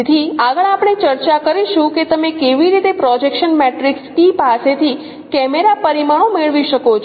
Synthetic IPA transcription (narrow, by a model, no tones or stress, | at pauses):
t̪ʰiaɡəɭapɳ̃et͡ʃəɾt͡ʃakəɾiʃũket̪əmekeʋiɾit̪epɾɔd͡ʒekʃənmɛʈɾiksʈipaset̪ʰi | kɛmeɾapəɾimaɽ̃omeɭʋiʃəkot͡ʃʰ